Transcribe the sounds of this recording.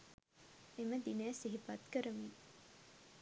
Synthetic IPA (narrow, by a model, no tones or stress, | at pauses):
eməd̪inæːsiɦipɐt̪kəɾɐmi